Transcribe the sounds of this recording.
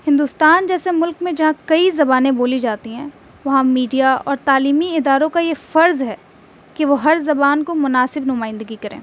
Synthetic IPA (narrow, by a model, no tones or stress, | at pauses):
hɪ̃nd̪ust̪aːnd͡ʒɛːsemʊlkmẽd͡ʒɐɦãkɐizɐbaːnẽboːlid͡ʒaːt̪iɦɛ̃ː | ʋɐɦãmiːɖijaɔ̰ːɾt̪aːliːmiɪd̪aːɾõkajefɐɾzɦɛː | kiʋoɦɐɾzɐbaːnkomʊnaːsɪbnʊmaːɪ̃nd̪əɡikɐɾḛ̃ː